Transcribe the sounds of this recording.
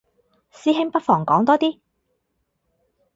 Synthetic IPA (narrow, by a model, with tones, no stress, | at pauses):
siː˥ɦɪ˥ŋpɐ˥t̚fɔː˨˩ŋkɔː˨˥ŋt̪ɔː˥t̪iː˥